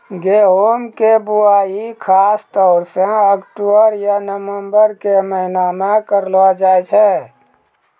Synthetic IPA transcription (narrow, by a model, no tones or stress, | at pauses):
ɡeɦomkebuaːikʰaːst̪ɔːɾseəkʈobəɾjanəməmbəɾkeməɦɪnamẽkəɾlad͡ʒaɛt͡ʃʰɛ